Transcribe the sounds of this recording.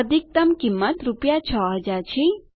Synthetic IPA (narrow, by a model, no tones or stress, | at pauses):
əd̪ʱik̚t̪əmkimːət̪ɾupjat͡ʃʰɔɦəd͡ʒaɾt͡ʃʰi